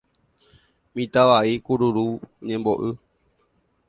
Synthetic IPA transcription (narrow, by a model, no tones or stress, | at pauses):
mĩt̪aʋaikuɾuɾuɲẽmboʔɨ